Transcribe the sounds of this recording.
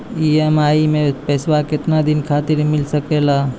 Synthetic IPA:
iemaimepɛswakɪt̪nad̪inkʰat̪iɾmilsəkela

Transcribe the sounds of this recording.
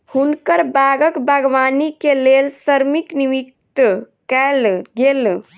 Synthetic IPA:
hunkəɾbaɡəkbəɡʋanikelelsəɾmikniʋikt̪ə | kɛlɡel

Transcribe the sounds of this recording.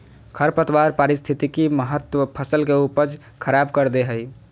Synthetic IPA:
kʰəɾpət̪waɾpaɾist̪ʰit̪ikiməɦət̪wəpʰəsəlkeupəd͡ʒ | kʰəɾabkəɾd̪eɦəj

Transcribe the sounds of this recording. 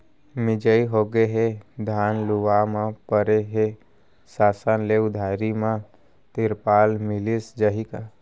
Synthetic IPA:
mɪd͡ʒəiɦoːɡeɦed̪ʱaːnluwamãpəɾeɦe | saːsənleʊd̪ʱaːɾimã | t̪ɪɾpaːlmɪlisd͡ʒəɦika

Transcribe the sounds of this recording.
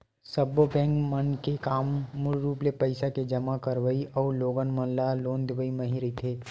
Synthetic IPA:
səbːobɛ̃ːŋɡmənkekaːmːʊlɾuːplepəɪsaked͡ʒɐmakəɾʋəiʔɔːɾloːɡənmənlaloːnd̪ɪʋəiməɦiɾit̪ʰeː

